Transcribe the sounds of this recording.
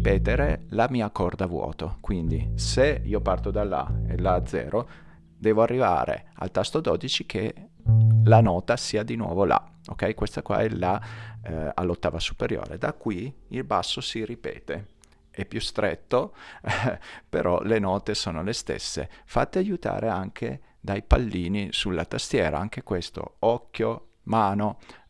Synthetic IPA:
pɛːt̪eɾelamiːakord̪avwɔ̰ːt̪okwind̪iseiːopart̪od̪alːa̰ḛlːaːd̪zːɛ̰ːɾo | d̪ɛːvoarːiva̰ːɾḛa̰lt̪ast̪od̪ɔːd̪it͡ʃikʰe | lanɔːt̪asiːad̪inwɔ̰ːvolʔa̰ | okːɛjkwest̪akwa̰ɛla | a̰lːot̪ːaːvasu̥peɾjo̰ːɾḛd̪akːwiilbasːosiripɛ̰ːt̪e | ɛpːjust̪ɾet̪ːo | pḛɾʔɔ̰lenɔːt̪esoːnolest̪ḛsːḛfat̪ːeajut̪a̰ːɾeaŋkʰḛ | d̪ajpalːiːnisulːat̪ast̪jɛːɾaaŋk̟ekwest̪o̰ɔkːjomaːno

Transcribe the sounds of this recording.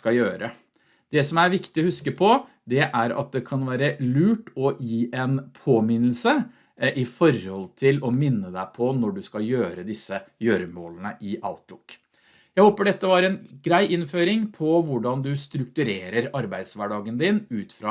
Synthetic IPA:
kɑjøːɾə | d̪̥ɛsɔmæɾʋɪkt̪ɪɔhʉskəpʰɔ | d̪ɛʔæɾɑ̰t̪̚d̪ɛkʰɑnʋæːɾəlʉːʈɔjiːʔɛnpʰoːmɪnəl̩sə | ʔɪfɔɾhɔlt̪ʰɪlɔmɪnːəd̪æɪpʰɔnɔɖʉskɑjøːɾəd̪ɪsːəjøːɾəmoːlənəʔɪʔɑ̰ʊt̪lʊ̰kː | jæɪhoːpəɖɛt̪ːəʋɑɾɛnɡɾæɪʔɪnføːɾɪŋpʰɔʋʊɖɑnd̪ʉst̪ɾʉk̚t̪ʉɾeːɾəɾɑɾbæɪd̪sʋæɖɑːɡənd̪ɪnʉːt̪fɾɑː

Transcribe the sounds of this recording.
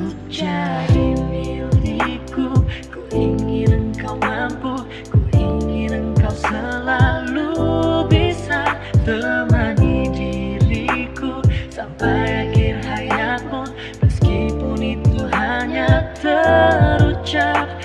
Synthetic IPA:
u | t͡ʃadimildikukuʔiŋɪnəŋkawmampuh | kuʔiŋɪnəŋkawsəlalubisa | t̪əmanidiɾikusampajakɪrɦajamʊn | məskipʊnit̪uɦaɲat̪əɾut͡ʃak̚

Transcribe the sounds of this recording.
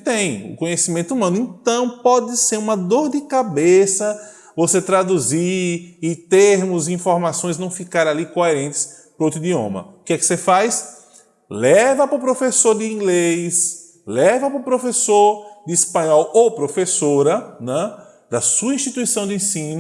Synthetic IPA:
t̪ẽj̃ʊ̰kõɲesimẽnt̪ʊumɐ̃nʊẽt̪ɐ̃w̃pɔd̪ɪseɾũmɐd̪oɾd̪ɪkabesɐ | voset̪ɾad̪uziɪt̪eɾmʊzĩfoɾmasõj̃znɐ̃w̃fikaɾalikoeɾẽnt̪ɪ̥s | pɾowt̪ɾid̪iõ̰mɐ̰ukɛkɪ̥sefajs | lɛvɐpɾʊpɾofesoɾd̪ɪĩɡlejs | lɛvɐpɾʊpɾofesoɾd̪ɪispɐ̃ɲɔwopɾofesoɾɐnɛ̃ | d̪ɐsuɐĩʃt̪it̪uisɐ̃w̃d̪ɪẽsĩnʊ

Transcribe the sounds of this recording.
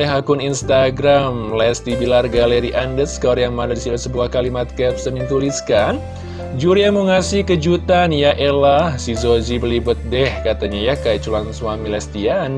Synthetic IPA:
lɛɦakʊninst̪aɡɾamlɛst̪ibilarɡaleɾiʔandəskɔɾjaŋmandadisilasəbuahkalimat̪̚kɛp̚səmiŋk̪uliskan | d͡ʒuɾiamuŋasihkəd͡ʒut̪anjaʔelahsizozibəlibʊt̪̚dɛhkat̪aɲajakajat͡ʃulaŋswamilɛst̪ian

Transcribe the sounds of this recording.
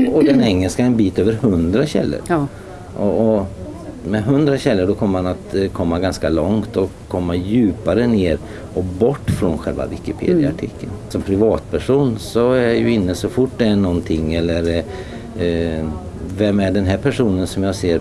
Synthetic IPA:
ɔd̪ɛnɛŋːəlskaɛnbiːt̪øːvəɾhɵnd̪ɾaɕɛ̰lːə̰ɾ | ʔɔɔ | mɛɦɵnd̪ɾaɕɛlːəɖɔkʰɔmːəɾmanat̪kʰɔmːaɡanskalɔŋt̪ɔ | kʰːɔmːajʉ̟ːpaɾəneːɾ | ɔbɔʈːfɾɔnɧɛlva̰vɪkɪpʰḛːd̪ɪaaʈʰɪkʰːənsɔmpʰɾɪvɑːt̪pʰæʂuːnsɔæjjɵɪnːəsɔfʊʈːd̪ɛæɳɔnt̪ʰɪŋːɛlːəɾ | vɛmæɖɛnɦæɾpʰæʂuːnənsɔmjaːseːɾ

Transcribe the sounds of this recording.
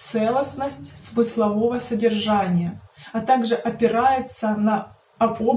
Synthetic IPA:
t̪sɛlˠəsnəsʲtʲsmɨslˠɐvo̞vəsədʲɪrʐanʲɪjəɐt̪aɡʐɨʔɐpʲɪɾajɪt̪sənɐ | ɐbob

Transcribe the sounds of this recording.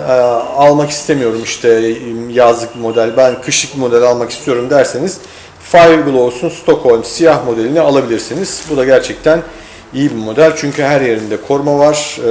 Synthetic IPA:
alˠmaki̥st̪ʰe̞mijo̞ɾumiʃt̪ʰɛjazlˠɯk̚bimo̞d̪ælʲbænkʰɯʃɯk̚bimo̞d̪ælʲalˠmaki̥st̪ʰijo̞ɾumd̪æɾseniz̥ | fajvbɯlˠo̞lˠsunst̪ʰo̞kho̞lʲmsijahmo̞d̪elʲinialˠabilʲiɾsiniz̥bud̪aɟæɾt͡ʃʰɛc̚t̪ʰæn | ijibimo̞d̪ælʲt͡ʃʰyɲcʰyhæɾje̞ɾind̪ɛkʰo̞ɾmavaɾ̥

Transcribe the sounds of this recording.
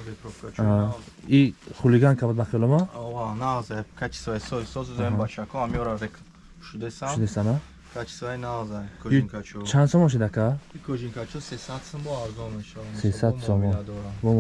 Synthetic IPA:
bepʰɾɔfkʰat͡ʃʰ | iχuliɡankʰabɔd̪̚baχiɔlɔmaɔvanazajkʰat͡ʃʰi̥svajsɔisɔzzɔẽbat͡ʃakʰɔ̃amiɔɾaɾekʰ | ʃud̪esaʃud̪esana | kʰat͡ʃʰi̥svajnazajkʰɔɡiŋkʰat͡ʃʰɔt͡ʃʰansɔmɔ̃ʃ̬id̪akʰaikʰɔd͡ʒiŋkʰat͡ʃʰɔsesad̪sɔmbɔaɾzɔmeʃasesad̪sɔmɔnd̪ɾabɔ

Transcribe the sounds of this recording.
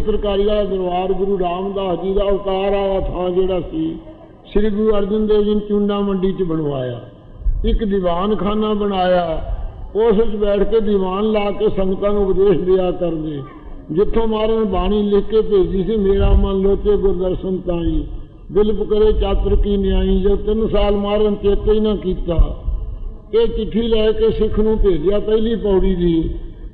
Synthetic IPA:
p̪ɾəkaːɾiːaːd̪əɾʋaːɾɡʊɾuːɾaːmd̪aːɦd͡ʒiːd̪aːʊt̪aːɾaːaːt̪ʰãːd͡ʒeːɽaːsiː | sɪɾɡʊɾuːəɾd͡ʒənd̪eːd͡ʒənt͡ʃũːɳɖãːməɳɖiːt͡ʃbəɳʋaːja̰ː | ɪkd̪ɪbaːnkʰaːnaːbəɽ̃aːjaːoːsɪt͡ʃbɛːʈʰkeːd̪ɪbaːnlaːkeːsəŋt̪ãːnũʊpd̪eːʃd̪ɪaːkəɾd̪eː | d͡ʒɪt̪ʰːõːmaːɾənbaːɽ̃iːlɪkːeːpeːd͡ʒiːsiːmeːɾaːmənloːt̪eːɡʊɾd̪əɾsənt̪aːĩː | b̪ɪlpkəɾeːt͡ʃaːt̪ɾkiːneaːĩːd͡ʒoːt̪ɪnsaːlmaːɾənt͡ʃeːt̪iːnãːkiːt̪aː | eːt͡ʃɪʈʰːiːlɛːkeːsɪkʰnũːpeːd͡ʒjaːpəːliːpɔːɽiːd̪iː

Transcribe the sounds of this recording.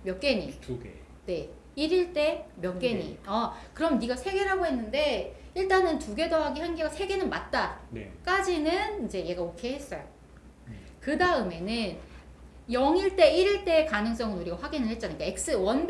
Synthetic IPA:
mjʌk͈̚e̞ɲiuɡ̰ | ne̞ | iɾiɭt͈e̞mjʌkk͈e̞ɲḭʌkɯɾʌmnːiɡasʰe̞ɡe̞ɾɦaɡoɦe̞nːɯnde̞ | iɭt͈anɯntuɡe̞doɦaɡiçjʌnɡeɡasʰe̞ɡe̞nɯnmat̚t͈an̰k͈ad͡ʑinɯnind͡ʑe̞je̞ɡaokʰe̞ɦes͈ʌjo | kɯdaɯme̞nɯn | jʌŋiɭt͈e̞iɾiɭt͈e̞ːkanɯŋs̬͈ʌŋɯnuɾiɡaɸwaɡinɯɭhet̚t͡ɕ͈anaik͈ae̞k̚s͈ɯwʌn

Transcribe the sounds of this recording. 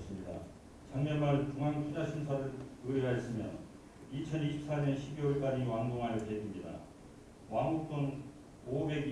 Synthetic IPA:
s͈ɯmɲida̰ | t͡ɕaŋɲʌnmaɭt͡ɕuŋɦaŋkud͡ʑaɕʰinsʰaɾɯɾɯeɾaes͈ɯmjʌn | it͡ɕʰʌniɕʰi̥p̚s͈aɲʌnɕʰibiwʌɭk͈ad͡ʑiwaŋɡoŋɦaɾjʌt͡ɕeɡimɲida̰ | waŋuk̚t͈on | obe̞ɡ

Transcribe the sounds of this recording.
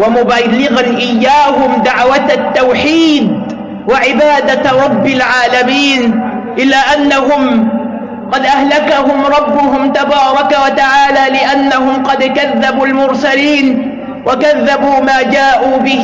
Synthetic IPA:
wamʊbalːɪɣanʔɪjːaːɦʊmd̪aʕwat̪t̪ːawħiːd̪ | waʕɪbaːd̪aɾˤɑbːɪlʕaːlamiːn | ʔɪlːaːʔanːaɦʊm | qɑd̪ʔahlakaɦʊmɾˤɑbːʊɦʊmt̪abɑːɾˤɑkawat̪aʕaːlaːlɪʔanːaɦʊmqɑd̪kaðːabuːlmʊɾsaliːn | wʔakaðːabuːmaːd͡ʒaːʔuːbɪh

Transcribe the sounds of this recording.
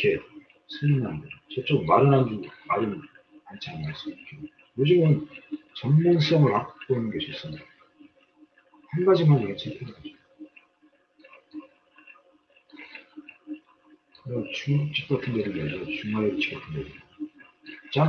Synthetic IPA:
kʰe̞ | sʰɯninandet͡ɕet͡ɕ͈ok̚maɾɯnɦand͡ʑumaɾɯn | ant͡ɕʰanaɭs͈ɯbakʰe | jod͡ʑimɯnt͡ɕʌŋmuns͈ʌŋɯɾak̚p͈oinːɯnɡesʰiis͈ɯmɲida | hanɡad͡ʑimanʌɡet͡ɕʰepʰeɾɯɡad͡ʑ | kɯnʌnt͡ɕuŋɡuk̚t͡ɕ͈ik͈atʰɯndeɾiad͡ʑot͡ɕuŋmaɾeut͡ɕʰi̥k͈atʰɯndeɾi | t͡ɕa

